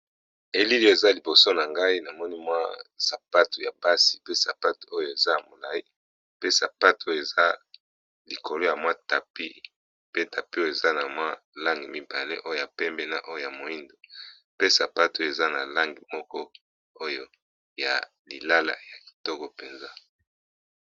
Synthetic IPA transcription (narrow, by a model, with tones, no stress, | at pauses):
e˨li˦li˦o˦e˨za˦li˨bo˨so˦na˨ŋɡa˦i˦na˨mɔ˦ni˦mwa˦sa˨pa˦tu˨ja˨ba˦si̥˨pe˦sa˨pa˦tu˨o˦jo˦e˨za˦ja˨mo˨la˨i˦ | pe˦sa˨pa˦to˦jo˦˨e˨za˦ | li˨ko˨lo˦ja˨mwa˦ta˨pi˦ | pe˦ta˨pi˦o˦o˦˨e˨za˦na˨mwa˦ | la˦ŋɡi˨mi˦ba˨le˦ʔo˦jo˨ja˨pɛ˦mbɛ˦na̰˦ʔo˦jo˨ja˨mo˨i˦ndo˨ | pe˦sa˨pa˦to˦jo˨e˨za˦na˨la˦ŋɡi˨mɔ˦kɔ˦ | o˦jo˦ | ja̰˨ | li˨la˦la̰˨ja˨ki̥˨tɔ˦kɔ˦pe˨nza˦